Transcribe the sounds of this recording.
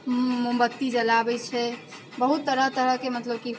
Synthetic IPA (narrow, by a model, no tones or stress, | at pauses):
mumbət̪ːid͡ʒəlabɛt͡ʃʰɛ | bəɦut̪ːəɾət̪əɾəkemət̪ləb̚ki